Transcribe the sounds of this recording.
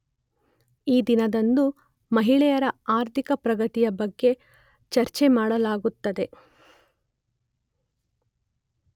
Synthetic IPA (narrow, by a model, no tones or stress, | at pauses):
iːd̪inɐd̪ɐnd̪u | mɐɦiɭɛjɐɾɐaːɾt̪ʰikɐpɾɐɡɐt̪ijɐbɐɡːe̞ | t͡ʃɐɾt͡ʃemaːɽɐlaːɡut̪ːɐd̪e̞